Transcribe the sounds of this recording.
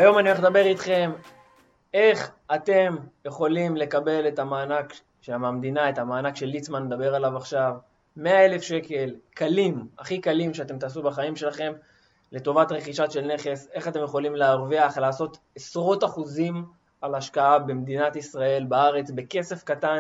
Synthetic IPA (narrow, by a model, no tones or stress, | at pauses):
ajo̞manioeχd̪abe̞ʁit̪χe̞m | e̞χat̪e̞mjeχo̞limlekabe̞le̞tamaːnak | ʃeamamd̪inaetamaːnakʃe̞lːit͡smanːed̪abe̞ʁalavaχʃav | me̞ae̞le̞fʃe̞ke̞lkalima̰χikalimʃeat̬e̞mt̬aːsubaχaimʃe̞laχe̞m | le̞t̪o̞vatʁeχiʃaʃe̞lne̞χe̞se̞χat̪e̞mjeχo̞limleaʁviaχlaːso̞t̪ | esʁo̞taχuzim | alaʃkaabe̞md̪inat̪isʁae̞lbaaʁe̞t͡sbe̞ke̞se̞fkatan